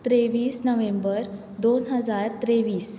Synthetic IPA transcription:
t̪ɾeʋiːsnəʋembəɾ | d̪onɦəd͡zaɾt̪ɾeʋiːs

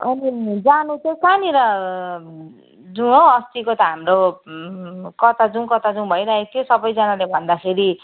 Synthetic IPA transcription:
ʌnid͡zanut͡sẽsaniɾʌ | d͡zũõʌst̪ikot̪ʌɦamro | kʌt̪ad͡zũkʌt̪ad͡zũbʱʌjɾaɦet̪ʰjosʌbʌjd͡zʌnalebʱʌnd̪akʰeɾi

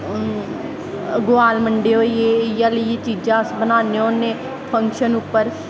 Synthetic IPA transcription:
ɡoaːlməɳɖeːoːjeːjaləet͡ʃiːd͡ʒãːsbənaːneõnẽː | pʰəŋkʃənʊpːəɾ

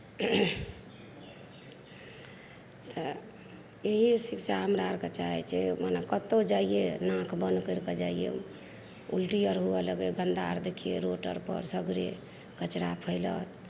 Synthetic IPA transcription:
t̪ɔ | eɦisiksaɦəmɾaɾkət͡ʃaɦɛ̰t͡ʃʰɛmanekət̪ːod͡ʒaienãkʰbənkəɾked͡ʒaijḛ | ulʈijəɾɦuɛləɡeɡənd̪a̰ɾd̪ekʰijḛɾoʈə̰ɾpə̰ɾsəɡɾe | kət͡ʃɾapʰəɪlə̰n

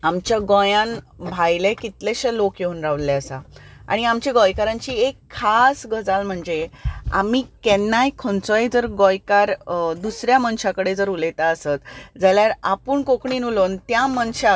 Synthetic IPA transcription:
amt͡ɕjaɡɔ̃jãnbʱajlekit̪leɕelokjeunɾaʋlleəsaa̰ɽ̃iamt͡ɕeɡɔjkaɾãɲt͡ɕiːekʰːasɡʱəd͡zalm̤əɳd͡zea̰miːkɛnːajkʰont͡sojd͡zəɾɡɔjkaɾd̪usɾjamənɕakəɽed͡zəɾulet̪aəsət̪d͡zaljaɾapuːɳkokɳiːnulont̪jamənɕa

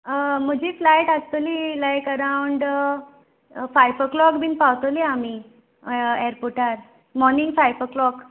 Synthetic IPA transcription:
m̤əd͡ʑiːflajʈast̪əliːlajkəɾawɳɖ | fajpəklɔkbiːnpawt̪əliami | eɾpuʈaɾ | mɔɾniŋɡfajpəklɔk

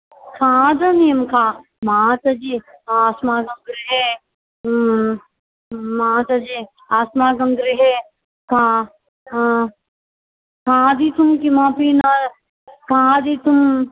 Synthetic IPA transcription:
kʰãːd̪ɐnijəmkʰãː | maːt͡ʃɐd͡ʒiaːsmaːɡɐŋɡɾiɦe | mãːt͡ʃɐd͡ʒi | aːsmaːɡɐŋɡɾiɦe | kʰã | kʰãːd̪it̪umkimãːpina | kãːd̪it̪um

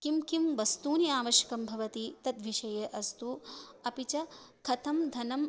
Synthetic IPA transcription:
kimkimʋɐst̪uːniaːʋɐʃjɐ̥kɐmbʱɐʋɐt̪it̪ɐt̪ʋiʃɐjɐʔɐst̪uɐpit͡ʃɐkʰɐt̪ʰɐmd̪ʱɐnɐm

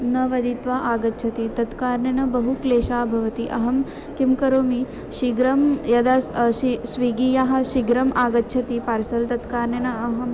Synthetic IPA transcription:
nɐʋɐd̪it̪ʋaʔaːɡɐtːt͡ʃʰɐt̪it̪ɐt̪kaːɾnjɐnɐbɐɦukleːʃaːbʱɐʋɐt̪iʔɐ̰ɦɐm | kimkɐɾoːmi | ʃiɡɾɐmjɐd̪aʃisʋiɡiːjaːɦɐ̆ʃiɡɾɐmʔaːɡɐtːt͡ʃʃʰɐt̪ipaːɾsɐlt̪ɐt̪kaːɾnjɐnɐɐɦɐm

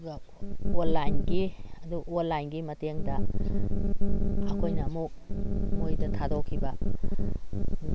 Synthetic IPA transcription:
ɡɐ | onlajnɡiɐduʔonlajnɡimɐteŋdɐ | ɐkʰojnɐmuk̚mojdɐtʰadokʰibɐ

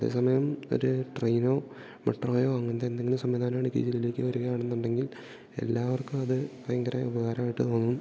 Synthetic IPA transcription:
ɐðe̞̰ːsɐmɐjɐmo̞̰ɾuʈrejno̞ː | mɐʈːroːjoːɐŋːɐend̪eːnd̪eŋːɡɐlumsɐmʋiːd̪ʱaːnɐmːɐɳikːḭːd͡ʑilileːkʲːɨʋɐɾuɣɐjaːɳe̞nːuɳɖe̞ŋɡil | e̞̰lːaːʋɐrkɨɐðɨkrɐjɐŋɡɐɾaubɐɣaːɾɐmaːjiʈːɨt̪o̞ːnːum

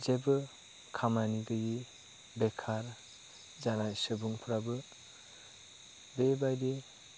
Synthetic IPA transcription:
zebɯ | kʰamaniɡɯji | bekʰaɾ | zanasɯbuŋpʰuɾabɯ | bebajde

